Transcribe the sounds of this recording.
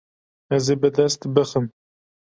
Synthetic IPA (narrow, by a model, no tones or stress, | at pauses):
ɛzebɨd̪ɛst̪bɨxɨm